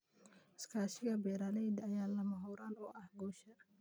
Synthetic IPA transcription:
ɪskʰaːʃɪɣɐbɛːɾalɛjd̪ɐjaːlɐmɐɦɔːɾaːnɔːʔɐhɡɔːʃɐ

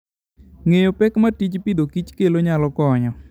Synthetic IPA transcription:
ŋejopɛkmatit͡ʃpid̪okit͡ʃkeloɲalɔkɔɲɔ

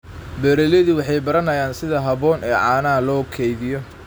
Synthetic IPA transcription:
bɛɾɛlɛðiwɑħɑjbɐɾɐnɐjaːnsɪðɐɦɐβɔːnɛːʕɑːnɐlɔːkʰɛjðɪjɔ

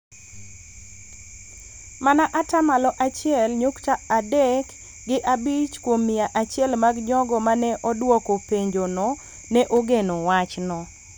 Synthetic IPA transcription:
manaʔatamalɔʔat͡ʃɪɛlɲʊktaadɛk | ɡɪʔabit͡ʃkwomːɪaʔat͡ʃɪɛlmaɡɲɔɡɔmanɛʔɔdwɔkopeɲd͡ʒonɔ | nɛʔoɡenowat͡ʃnɔ

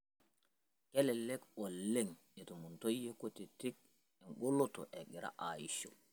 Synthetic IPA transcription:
kɛlɛlɛkɔlːeŋ | ɛtɔmuntojekotɛtik̚ | ɛnɡɔlːɔtɔ̰ʔɛɡiɾa̰ʔajiʃɔ

